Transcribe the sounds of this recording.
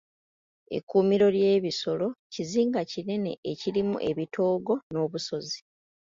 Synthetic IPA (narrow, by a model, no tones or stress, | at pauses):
ḛkːuːmiɾo̞lje̞ːβiso̞lo̞ciziːŋɡacine̞ne̞̰ʔeciɾimṵʔe̞βitʰo̞ːɡo̞no̞ːβuso̞zi